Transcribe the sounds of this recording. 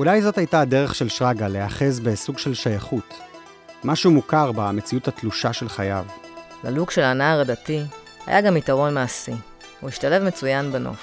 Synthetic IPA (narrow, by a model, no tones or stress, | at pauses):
ulajzo̞thajtaːde̞ʁeχʃe̞lʃʁaɡale̞aχe̞zbe̞suɡʃe̞lʃajaχut | maʃumukaʁbamet͡siuthat̪luʃaʃe̞lχajav | la̰lukʃe̞lanaːʁadati | ha̰ja̰ɡamitaʁo̞nmaasi | uiʃtale̞vmet͡sujanbano̰χ